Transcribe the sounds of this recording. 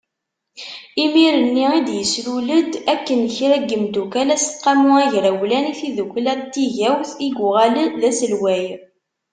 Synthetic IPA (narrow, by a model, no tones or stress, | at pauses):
imiɾənːiid̪jəsluləd̪ækːənçɾæɡəmd̪ukælæsqːɑmʊæʝɾæwlæniθiðukʷlæɾt̪ːiʝæwθiɡʊʁælənðæsəlwæj